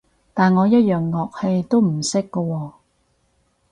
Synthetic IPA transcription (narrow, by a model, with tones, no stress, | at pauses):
t̪aː˨nŋɔː˨˧jɐ˥t̚jœː˨ŋːɔː˨k̚he˧jt̪o˥wm̩˨˩sɪ˥kːɔ˧wɔː˧